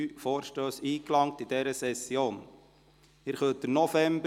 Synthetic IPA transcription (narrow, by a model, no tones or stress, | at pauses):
yːfoːɾʃtøːsiːklɑŋtid̥ɛɾəsɛsjoːn | ɪɾχœt̚dənɔfɛmbə